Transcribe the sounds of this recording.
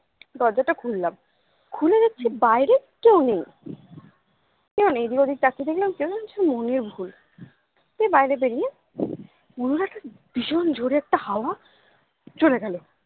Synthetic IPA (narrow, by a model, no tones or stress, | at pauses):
d̪ɔɾd͡ʑaʈakʰulːam | kʰuled͡ʑekːt͡ɕʰebajɾekewnej | kewnej̃d̪iod̪ʱik̚t̪akid̪ekʰlamkewd͡ʑelamt͡ɕʰemoneɾbʱul | t̪ebajɾeb̬eɾie | uɾuɾɛk̚ʈa | b̥iʃond͡ʑʱoɾiɛk̚ʈahaoa | t͡ɕoleɡɛle